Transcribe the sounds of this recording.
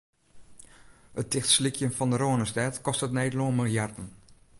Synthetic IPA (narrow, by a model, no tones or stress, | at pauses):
ət̚tɪxtslikʰjənfɔndəɾoənəstɛtkɔstətnɛjdloənmilˠjardn̩